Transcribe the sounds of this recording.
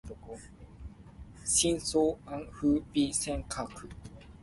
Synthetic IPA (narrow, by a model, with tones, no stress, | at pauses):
ko˧ | si˥˦nso˦a˦ŋhɯ˦pi˧sɛ˥˧ŋkʰa˨˧˨kʰɯ˨˩